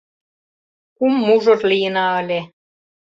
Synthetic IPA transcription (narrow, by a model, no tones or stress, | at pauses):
kumːuʒŏt̪lijə̆nɑə̆lʲe